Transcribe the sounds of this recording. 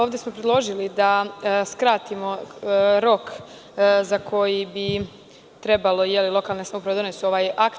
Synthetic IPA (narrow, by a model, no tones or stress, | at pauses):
oʋd̪e̞smo̞pɾed̪lˠo̞ʒilid̪askɾat̪imo̞ɾo̞k | zakʰo̞jibi | t̪ɾebalˠo̞jelilo̞kalˠnesaupɾaʋ̪one̞suo̞ʋaːjak